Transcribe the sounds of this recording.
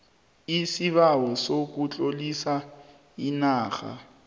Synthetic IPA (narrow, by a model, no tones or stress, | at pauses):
isiβawɔsok̬ut͡ɬʼolisa | inaːxa̰